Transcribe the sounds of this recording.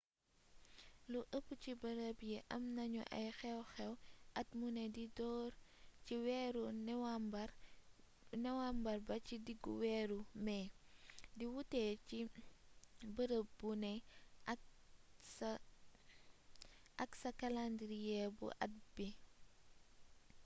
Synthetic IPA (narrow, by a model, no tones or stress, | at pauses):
luʔəpːucibɐɾəbjɛʔɐmnɐɲṵʔɐ̰jxɛwxɛwʔɐt̚munɛdidɔːɾciwɛɾuwb | nɛwambɐrbɐcidiɡːṵwɛɾumɛːdiwutɛːi | bəɾəb̚bunɛ | ʔɐksɐkɐlandɾijɛbṵʔɐ̰t̚bi